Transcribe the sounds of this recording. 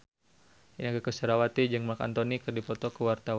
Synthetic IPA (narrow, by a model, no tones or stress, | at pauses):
ʔinakəkəsəɾawat̪id͡ʒɨŋmaka̰nt̪ɔnikɨrdipɔt̪ɔkəwart̪awa